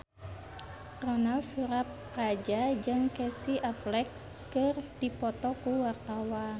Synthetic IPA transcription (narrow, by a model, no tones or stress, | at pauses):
rɔnalsuɾap̚ | rad͡ʒad͡ʒɨŋkɛsiʔaflɛks | kɨrd̪ipɔt̪ɔkuwart̪awan